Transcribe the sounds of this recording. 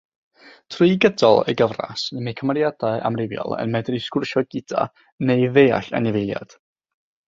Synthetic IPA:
tʰrʊɨɡədɔlˠə̰ɡəvra̰snimekʰəmarjadaɨʔa̰mrɪvjɔ̰lˠə̰nmɛdriskʊrʃɔɡɪd̥a̰ | nejveːa̰ɬa̰nɪvɪlˠja̰d̥

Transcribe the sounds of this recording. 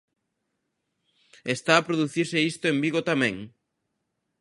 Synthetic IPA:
est̪aːpɾoðuθiɾsɪist̪ʊembiɣot̪amɛ̃ŋ

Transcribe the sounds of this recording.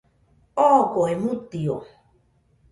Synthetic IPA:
ɔkoemut̪io̰

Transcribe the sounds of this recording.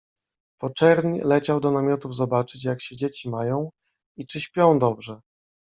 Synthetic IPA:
pɔt͡ʂɛɾɲ̰lɛt͡ɕawd̪ɔnamʲjɔt̪uvzɔbat͡ʂɘt͡ɕjakɕɛd͡ʑet͡ɕimajɔ̃w̃ | it͡ʂɘɕpʲjɔ̃w̃d̪ɔbʐɛ

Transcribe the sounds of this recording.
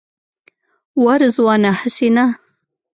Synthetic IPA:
waɾzwɑːnahəsina

